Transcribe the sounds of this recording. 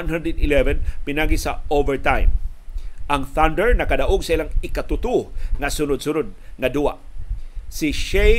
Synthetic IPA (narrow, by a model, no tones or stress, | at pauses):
nɦand̪ɛd̪ɪlɛvɛnpɪnaɡisaovɛɹt̪ãjm | ʔaŋθand̪ɛɹnɐkadaʔoɡsɐʔilaŋɪkat̪ʊt̪uŋasʊnʊd̪̚sʊnod̪̚ŋad̪ua̰ | siʃe